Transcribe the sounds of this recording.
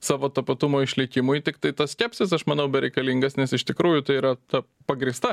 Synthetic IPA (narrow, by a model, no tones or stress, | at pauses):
sɑːʋoːt̪ɐpɐt̪ʊmoːɪʃʲlʲɪkʲɪmʊjt̪ʲɪkt̪ɐɪt̪ɐsʲkʲæːpʲsʲɪs̬ɐʃmɐnɐʊbʲɛɾʲɛɪkɐlʲiŋɡɐsnʲɛsɪʃt̪ʲɪkɾuːjʊt̪ɐɪiːɾɐt̪ɐ | pɐɡɾʲɪst̪ɐ